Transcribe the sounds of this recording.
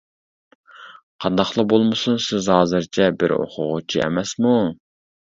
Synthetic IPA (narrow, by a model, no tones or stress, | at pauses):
qʰɑnd̪ɑχlˠəbolˠmɨsunsɪzhɑːzɨɾt͡ʃʰɛbɪɾo̰qʰʊʁʊt͡ʃʰiɛ̰mɛsmu